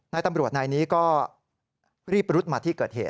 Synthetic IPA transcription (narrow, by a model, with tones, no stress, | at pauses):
na˧jt̪a˧mɾu˨˩ət̪̚naː˧jniː˦˥kɔː˥˩ | ɾiː˥˩p̚ɾu˦˥t̪̚maː˧t̪ʰiː˥˩kɤː˨˩t̪̚hḛː˨˩t̪̚